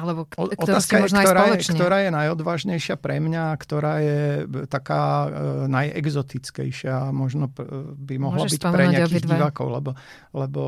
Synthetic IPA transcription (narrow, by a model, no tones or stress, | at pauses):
alɛɔɔt̪aːskajɛt̪ɔɾajɛkt̪ɔɾaːjɛnajɔd̪ʋaːʒɲɛjʃɪapɾɛmɲaːkt̪ɔɾaːjɛt̪akaːnajɛ̰ɡzɔt̪it͡skɛ̰jʃɪamɔʒnɔbimɔɦlabicpɾɛɲɲɪaakiɣiʋaːkɔʊlɛbɔ | lɛbɔ